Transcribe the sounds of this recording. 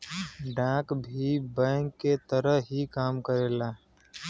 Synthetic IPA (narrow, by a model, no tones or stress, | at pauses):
ɖãːkbʱibɛ̃ŋkːet̪əɾəɦikaːmkəɾeːlaː